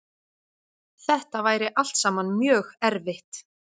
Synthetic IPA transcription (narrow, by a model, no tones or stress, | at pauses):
θɛht̪avaːjɾɪʔal̥t̪saːmanmjœːɣɛɾvɪht̪